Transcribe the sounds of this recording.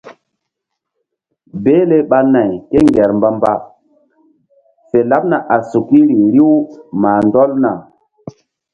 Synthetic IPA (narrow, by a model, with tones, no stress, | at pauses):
be˦le˦ɓa˦na˨jke˦ŋɡɛ˨ɾmba˦mba˦ | fe˨la˦p̚na˨ʔa˨su˨ki˦ɾi˨ɾi˦wmaː˨ndɔ˦lna˨